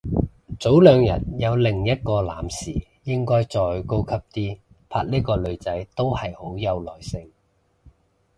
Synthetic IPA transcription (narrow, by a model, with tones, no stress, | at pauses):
t͡so˨˥wlœː˨˧ŋjɐ̰˨t̚jɐ˨˧wlɪ˨˩ŋjɐ˥t̚kɔː˧laː˨˥msiː˨˩ | jɪ˥ŋkɔː˥jt͡sɔː˨jko˥wkʰɐ˥p̚t̪iː˥ | pʰaː˧˥t̚liː˥kɔː˧lɵ˨˧ɥt͡sɐ˨˥jt̪o˥whɐ˨jho˨˥wjɐ˧wlɔː˨˩jsɪ˧ŋ